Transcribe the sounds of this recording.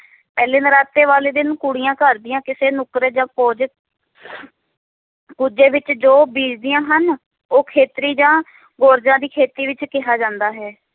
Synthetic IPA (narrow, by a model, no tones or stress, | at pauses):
pɛːleːnəɾaːt̪ːeːʋaːleːd̪ɪnkuɽɪjãːkəɾd̪ɪjãːkɪseːnʊkɾed͡ʒãːkoːd͡ʒ | kud͡ʒeːʋɪt͡ʃd͡ʒoːbiːd͡ʒd̪ɪjãːɦən | oːkʰeːt̪ɾiːd͡ʒãː | ɡoːɾd͡ʒãːd̪iːkʰeːt̪iːʋɪt͡ʃkɪɦaːd͡ʒãːnd̪aːɦɛː